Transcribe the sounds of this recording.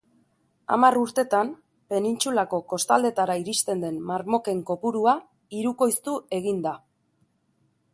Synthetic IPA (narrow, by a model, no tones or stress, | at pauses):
a̰maruɾt̪e̞t̪am | pe̞nint͡sulako̞ko̞st̪ald̪e̞t̪aɾaiɾist̪e̞nd̪e̞nmaɾmo̞ke̞ŋko̞puɾua | iɾuko̞jst̪ue̞ɣind̪a